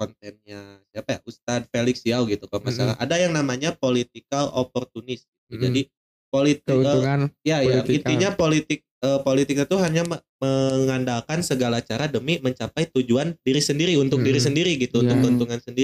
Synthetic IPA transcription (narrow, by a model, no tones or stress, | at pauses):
kɔnt̪ɛnɲasiapaja̰ʔust̪ad̪̚feliksiawɡit̪ukalmasaɾa̰ɦa̰dajaŋnamaɲapolit̪̚ikalo̰pɔrt̪unɪsɡit̪ud͡ʒadi | polit̪əjajait̪iɲapolit̪ɪk̚əːpolit̪ɪk̚ɲat̪uɦaɲaməməŋandalkansəɡalat͡ʃaɾadəmiməɲt͡ʃapajt̪ud͡ʒuandiɾisəndiɾiunt̪ʊk̚diɾis̬əndiɾiɡit̪uːnt̪ʊk̚dɔnt̪uŋansəndiɾi